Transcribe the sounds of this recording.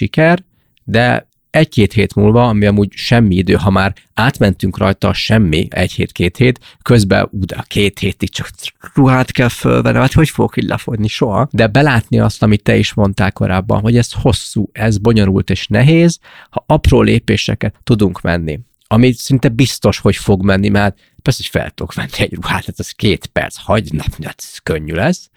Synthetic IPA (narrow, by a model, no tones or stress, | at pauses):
ʃikɛr | d̪ɛ̰ | ɛckeːt̪heːt̪mṵːlvɒɒmiɒmuːɟʃɛmːiid̪øːɦɒmaːɾ | aːt̪mɛnt̪yŋkrɒjt̪ɒʃɛmːḭɛ̰chḛːt̪keːt̪heːt̪kø̞zbɛ̰ud̪ɛkʰeːt̪heːt̪ikt͡ʃɒkruɦaːt̪kɛlfø̰lvɛnːɛaːt̪ho̞cfoɡokiɟlʔɛ̰fo̞dniʃo̞ɦɒ̰d̪ɛbɛlaːt̪niɒst̪ɒmit̪ːɛiʃmo̞nt̪aːlko̞ɾaːbːɒ̰nɦo̞ɟɛsho̞sːuːɛzbo̞ɲo̞ɾult̪eːʃnɛɦeːz | hɒʔɒproːleːpeːʃɛ̰kɛt̪ːud̪uŋkmɛ̰nːḭ | ɒmisɛint̪ɛbist̪o̞ʃho̞cfo̞ɡmɛnːimɛɾt̪ | pɛrsɛocfɛ̰lt̪okʋɛnːiɛɟruha̰ːt̪ːaːt̪ɛskeːt̪pɛ̰rt̪shɒɟnɒpniɛ̰t̪køɲːylɛs